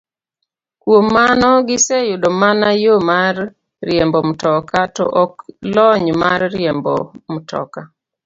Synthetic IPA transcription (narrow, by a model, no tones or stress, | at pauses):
kwomːanɔɡɪsejʊdomanajomarː | jɛmbɔmtɔkatɔ̰ʔɔklɔɲmarːjembɔ̰mtʰɔ̰ka